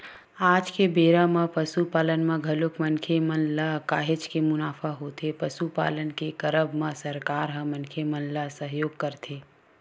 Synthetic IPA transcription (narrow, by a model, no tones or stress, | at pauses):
aːd͡ʒkebeːɾãmãpəsupaːlənmãɡʱɐlʊkmənkʰemənlakaːɦɪt͡ʃkemʊnaːfʰaɦoːt̪epəsupa̰ːlənkekəɾəbmãsəɾkaːɾɦə̃mənkʰemənlasəɦjoːɡ̚kəɾt̪ʰeː